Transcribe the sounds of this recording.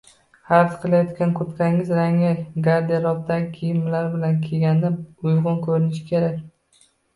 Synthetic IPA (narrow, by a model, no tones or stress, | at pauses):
haɾt̪qʰɨlˠajɒt̪kʲʰankʰʊɾt̪kʰʲaɪŋɪzɾaŋɪɡaɾd̪eɾɒb̚t̪ʰakʲʰejɪmmlaɾbɪlankʲʰeɡʲanːɪpʊjʁʊnkʰɵɾɪnɪʃɪ̥kʲʰe̞ɾakʲ